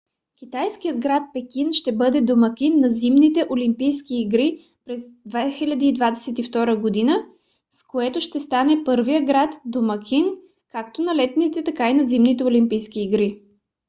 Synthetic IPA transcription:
kʲit̪ajsk̟ijəd̪ɡɾat̪̚pɛkʲinʃt̪ɛbɤd̪ɛd̪omɐkʲinːɐzimnit̪ɛʔolimpijskiːɡɾi | pɾɛzd̪vɛxilʲɐd̪iːd̪vad̪ɛsɛt̪ift̪ɔɾəɡod̪inə | skoɛt̪oʃt̪ɛst̪anɛpɤɾvijəɡɾat̪d̪omɐkʰʲin | kakt̪onɐlɛt̪nit̪ɛt̪ɐkainɐzimnit̪ɛolimpijskiːɡɾi

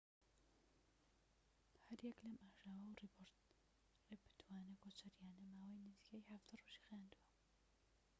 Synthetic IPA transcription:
hɐɾjɛklɐmʔaːʒaːwɐwriboɾ | rebɨ̥t̪ʰwaːnebot͡ʃʰɐɾjaːnɐmaːwɐjnɪziːkʰɐjħafd̪ɐroʒi̥xaːnd̪uwɐ

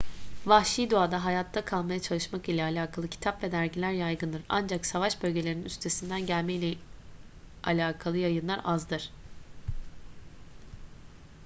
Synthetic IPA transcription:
vaʃid̪uad̪aɦajat̪ʰːakʰalˠmajat͡ʃʰalˠɯʃmakilʲɛalʲaːkʰalˠɯcʰi̥t̪ʰapvɛd̪æɾɟilʲæɾjajɡɯnd̪ɯɾa̰nd͡ʒaksavaʃbø̞lʲɟe̞lʲeɾininyst̪ʰe̞sind̪ænɟælʲmɛilʲɛ | a̰lʲaːkʰalˠɯjajɯnlˠaɾʔazd̪ɯɾ̥

